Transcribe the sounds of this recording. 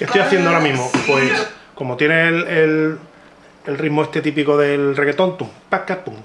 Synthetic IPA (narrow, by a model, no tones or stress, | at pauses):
ke̞ht̪ojaθjend̪ooɾamĩɦmopwe̞skomot̪je̞nelel | elriɦmoe̞st̪e̞t̪ipikoðe̞lreɣet̪o̞nt̪uŋpakapuŋ